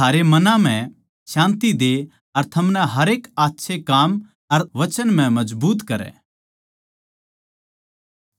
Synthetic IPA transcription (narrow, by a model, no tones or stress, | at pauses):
t̪ʰaːɾemɐnãm̤ɛ̃ | ʃãːnt̪id̪e | ɐɾt̪ʰɐmnɛɦɐɾeːkaːt̪ːʃʰekaːm | ɐɾʋɐt͡ʃənm̤ɛ̃mɐd͡ʒbuːt̪kɐɾɛ̰ː